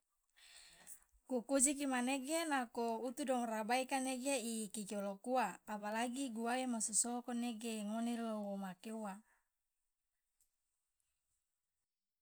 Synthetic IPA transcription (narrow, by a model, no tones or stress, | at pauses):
kukud͡ʒik̬imaneɡenakout̪udɔŋrabaikaneɡeikikiolokuaːpalaɡiɡuaemosusokoneɡeŋonelowomakewa